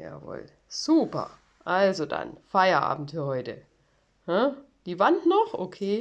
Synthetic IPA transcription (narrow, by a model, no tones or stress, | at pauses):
ja̰ːvo̰ːl | z̥uːpɐ̰ | ʔalzoda̰nfaɪɐʔa̰ːbm̩tfyːɐhɔʏtə | hə | d̥iːvantnɔχʔokʰeː